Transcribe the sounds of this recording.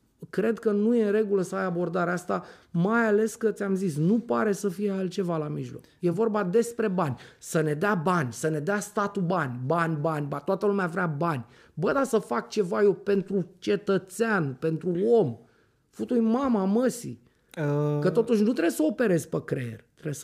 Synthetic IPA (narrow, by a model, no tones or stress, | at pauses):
kɾe̞d̪kənuje̞ɾe̞ɡuləsəajabo̞rd̪aɾeast̪amajale̞skət̪sʲamzisnupaɾe̞səfijealt͡ʃe̞valamiʒlo̞̰kje̞vo̞rbad̪e̞spɾe̞banʲsəne̞d̪eabanʲsəne̞d̪east̪at̪ubanʲbanʲbanʲbat̪oat̪əlumeavɾʲabanʲ | bəd̪asəfak̚t͡ʃe̞vaje̞pe̞nt̪ɾut͡ʃe̞t̪ət̪seanpe̞nt̪ɾuo̞m | fut̪ujmamaməsḭ | əkət̪o̞t̪uʃ̬ʲnut̪ɾebesəope̞ɾe̞zpekɾḛḛrʲt̪ɾees